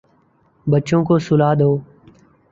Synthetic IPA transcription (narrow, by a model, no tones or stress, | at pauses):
bət͡ʃõːkoːsʊlaːd̪ɦoː